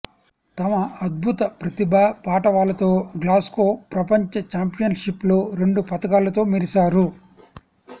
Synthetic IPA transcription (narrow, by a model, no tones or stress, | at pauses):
t̪ɐmɐɐd̪̚bʱut̪ɐpɾɐt̪ibʱaːpaːʈɐʋaːlɐt̪o̞ːɡlaːskoːpɾɐpɐɲt͡ʃɐt͡ʃaːmpijɐnʂiplo̞ːɾe̞ɳɖupɐt̪ɐkaːlɐt̪o̞ːmiɾisaːɾu